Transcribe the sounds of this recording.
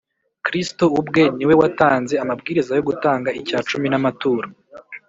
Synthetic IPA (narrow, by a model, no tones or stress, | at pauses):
kɾistoubɡe̞niwe̞wataːnzeamabɡiːɾizajo̞ɡutaːŋɡaicaːt͡ʃuminamatuːɾa